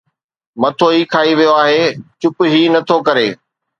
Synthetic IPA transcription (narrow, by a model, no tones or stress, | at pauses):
mɐt̪ʰoikʰaːiʋijoaːɦeːt͡ɕʊpʊɦiːnɐt̪ʰokɐɾeː